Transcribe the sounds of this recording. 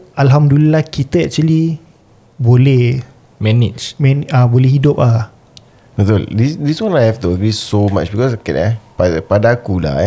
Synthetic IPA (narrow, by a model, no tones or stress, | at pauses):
alɦamdulilahkit̪əɛk̚t͡ʃuəli | bolɛh | mɛnid͡ʒmɛnabolɛɦidʊp̚a | t̪oldisdiswãnajhɛft̪uɡɹisoma̰t͡ʃbikɔsakɛ̰tɛpapadakula̰